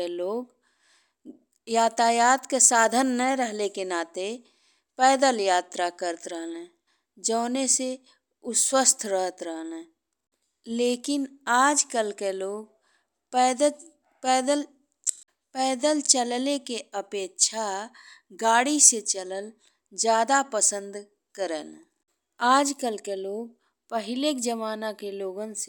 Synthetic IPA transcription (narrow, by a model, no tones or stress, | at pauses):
eloːɡ | jaːt̪ajaːt̪kesaːd̪ʱənːəɾəɦlekenaːt̪e | pɛːd̪əljaːt̪ɾakəɾət̪ɾəɦlẽ | d͡ʒəːnese | ʊswəst̪ʰɾəɦət̪ɾəɦlẽ | leːkɪnaːd͡ʒkəlkeloːɡ̚ | ɛːd̪ə | ɛːd̪əl | pɛːd̪əlt͡ʃəllekeəpeːkʃʰa | ɡaːɽiset͡ʃələl | d͡ʒjaːd̪apəsə̃nd̪ | kəɾən | aːd͡ʒkəlkeloːɡ̚ | pəɦɪlekd͡ʒəmaːnakeloːɡəns